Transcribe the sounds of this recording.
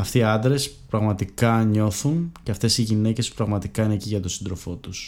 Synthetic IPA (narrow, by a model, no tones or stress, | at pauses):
ɐft̪iːɐnd̪ɾe̞spɾɐɣmɐt̪ikɐɲo̞θunceɐft̪e̞siʝine̞ce̞spɾɐɣmɐt̪ikɐineciʝɐt̪o̞sind̪ɾo̞fo̞t̪us